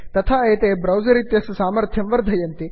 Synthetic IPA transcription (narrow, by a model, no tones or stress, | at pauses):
t̪ɐt̪ʰaːeːt̪eːbɾɐwzɐɾit̪jɐssaːmɐɾt̪ʰjɐmʋɐɾd̪ʱɐjɐnt̪i